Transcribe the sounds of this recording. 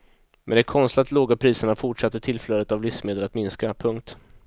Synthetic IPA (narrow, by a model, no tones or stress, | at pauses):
mɛd̪ɛkʰɔnst̪lat̪loːɡapʰɾiːsəɳafʊʈʂat̪ːət̪ʰɪlflœːd̪ət̪avlɪfsmeːd̪əlat̪mɪnskapʰɵŋk̚t̪